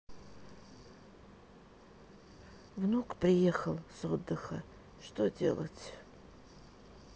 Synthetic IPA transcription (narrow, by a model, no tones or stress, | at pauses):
vnukprʲɪjexɐlˠsod̪ːɨxɐ | ʂt̪odʲḛlˠɐ̰tʲ